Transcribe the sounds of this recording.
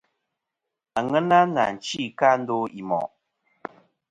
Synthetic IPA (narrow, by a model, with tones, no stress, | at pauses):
a˨ŋɛ˦na˦na̰˨n̩˨t͡ʃi˦˨ka˦n̩˦do˦i˨mɔ̰˨ʔ